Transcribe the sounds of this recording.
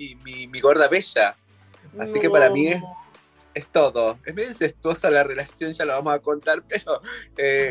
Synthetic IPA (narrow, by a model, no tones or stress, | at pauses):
imimiɣoɾðaβeʃa | asikepaɾamies | est̪oðoesmeðeseht̪wo̞salarelasjo̞nʒaloβamosako̞nt̪aɾpeɾoe